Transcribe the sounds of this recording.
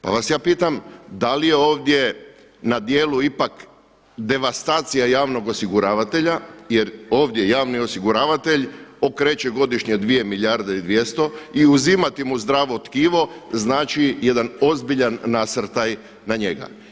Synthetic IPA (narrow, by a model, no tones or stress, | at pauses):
pa̰ʋasjaːpiːt̪amd̪alije̞o̞ːʋd̪je̞ | nad̪jeːluipak | d̪e̞ʋast̪aːt̪sijajaːʋnoɡo̞siɡuɾaːʋat̪e̞ʎajeɾo̞ːʋd̪je̞jaːʋnio̞siɡuɾaːʋat̪e̞ʎo̞kɾe̞ːt͡ɕe̞ɡo̞d̪iʃɲed̪ʋije̞miʎjaɾd̪eid̪ʋje̞st̪o̞iuzimat̪imuzd̪ɾaːʋo̞t̪kiːʋo̞znaːt͡ʃije̞d̪ano̞zbiʎanːasɾ̩t̪aj | naɲe̞ɡa̰